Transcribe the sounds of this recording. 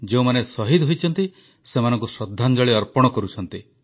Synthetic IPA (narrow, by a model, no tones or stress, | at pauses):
d͡ʒeũmanesɔɦid̪ɦojt͡ʃʰɔnt̪i | semanɔ̃ŋkusɾɔd̪ʱːand͡ʒɔɭiɔɾpɔɽ̃ɔkɔɾut͡ʃʰɔn̪t̪i